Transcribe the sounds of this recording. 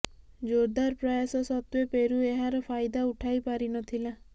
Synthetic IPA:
d͡ʒoɾd̪aɾpɾɔjasɔsɔt̪wepeɾueɦaɾɔpʰajd̪auʈʰajpaɾinɔt̪ʰila

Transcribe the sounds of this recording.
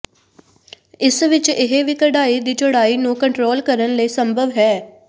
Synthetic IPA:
ɪsʋɪt͡ʃɪɦeʋiːkəɽaːid̪iːt͡ʃʊɽaːiːnũːkəɳʈɾoːlkəɾənləiːsəmbʱəʋɦɛː

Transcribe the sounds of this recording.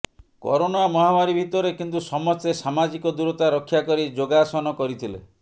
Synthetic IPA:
kɔ̰ɾonamɔɦamaɾibʱit̪ɔɾekint̪usɔmɔt̪esamad͡ʒikɔd̪uɾɔt̪aɾɔkʰːjakɔɾid͡ʒoɡasɔnɔkɔɾit̪ʰilḛ

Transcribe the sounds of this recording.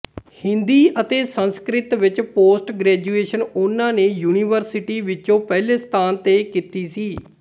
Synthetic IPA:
hɪ̃nd̪iːʔət̪eːsənskɾɪt̪ʋɪt͡ʃpoːsʈɡɾɛːd͡ʒuːeːʃənʊnãːneːjuːniːʋəɾsɪʈiːʋɪt͡ʃõːpɛːleːst̪ʰaːnt̪eːkiːt̪iːsiː

